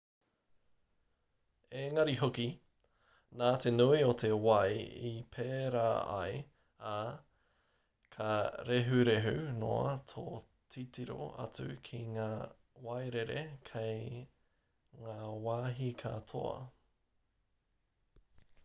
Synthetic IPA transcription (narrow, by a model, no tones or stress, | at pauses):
eŋɐɾiɦoki | naːt̪ʰenuiot̪ʰe̞wɐjipʰeːɾaːɐ̰j | a | kʰɐɾeɦʉɾeɦʉno̰ɐtʰo | tʰitiɾo̰ɐ̰t͡sʉ̰kʰiŋaː | wɐjɾeɾḛkʰej | ŋaːwaːɦikʰat̪ʰo̰ɐ̰